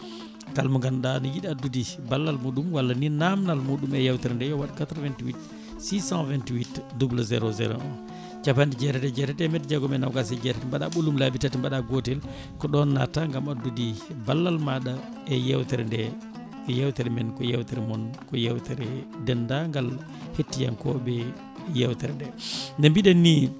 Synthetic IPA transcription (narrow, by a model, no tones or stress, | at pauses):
kalmɔŋɡandanɔjiɗiadːudibalːalmuɗumwalːaninamnalmuɗumɛjawtɛɾɛndɛjɔwaɗikatɾvɛntwit | sisãvɛntiwitdublazɛ̰ɾozɛ̰ɾɔ̰ɔn | t͡ʃapandid͡ʒɛɾɛtɛd͡ʒɛɾɛtɛmɛtd͡ʒɛɡɔmɛnawkasɛd͡ʒɛɾɛtɛmbaɗa̰ɓulumlabitatɛmbaɗaɡotɛl | kɔɗɔnːa̰taŋɡamadudibalːalmaɗa | ɛjawtɛɾɛndɛ | ɛjawtɛɾɛmɛnkɔjawtɛɾɛmɔnkɔjawtɛɾɛdɛndaŋɡal | hetːija̰nkɔ̰ɓɛ | jawtɛɾɛndɛndɛmbiɗɛnːi